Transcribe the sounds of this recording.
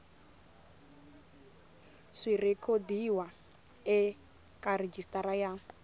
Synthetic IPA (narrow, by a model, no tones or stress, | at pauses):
ʂirekʰodiwa | ɛ | kʼared͡ʒistʼaɾaja